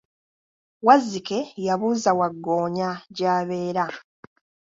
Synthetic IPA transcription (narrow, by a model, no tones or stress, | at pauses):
wazike̞jaβuːzawaɡːoːɲaɟaːβe̞ːɾa